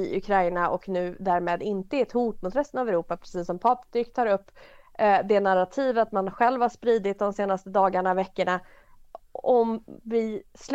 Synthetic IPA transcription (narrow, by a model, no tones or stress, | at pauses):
ɪʔɵ̰kʰɾajnaʔɔknʉ̟ːd̪æːɾmeːd̪ɪnt̪əɛt̪huːʈmʊt̪ɾɛst̪ənavɛɾuːpapʰɾɛsiːsːɔmpʰɑːpt̪ʏkt̪ʰɑːɾɵpː | d̪ɛnaɾat̪ʰiːvəat̪manɧɛlvhaʂpɾiːd̪ɪt̪̚d̪ɔmseːnast̪əd̪ɑːɡaɳavɛkːəɳa | ɔmvɪsl